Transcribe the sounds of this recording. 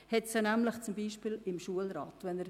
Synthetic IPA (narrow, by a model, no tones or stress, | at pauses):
hɛtsənæmləχt͡sʊmbiːʃpiːlɪmʃuəlɾɑ̰ːtʋɛnəɾ